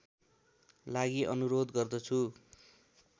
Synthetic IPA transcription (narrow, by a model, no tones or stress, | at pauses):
laɡiʔʌnuɾod̪ɡʌrd̪ʌt͡sʰu